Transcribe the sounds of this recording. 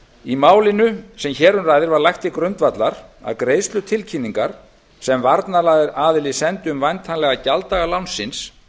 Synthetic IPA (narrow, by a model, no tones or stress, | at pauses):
imaːwlɪnʏsɛmçɛːɾʏnraːjðɪɾvaɾlajxt̪ikɾʏnt̪vat̪laɾ̥a̰ðkɾeːjst̪lʏt̪ʰɪlcʰinːiŋkaɾ̥ | sɛmvaɾt̪nalajðɪɾaːðɪlisɛnt̪ʏʏmvajnt̪ʰanlɛɣacalt̪aɣalawnsːɪns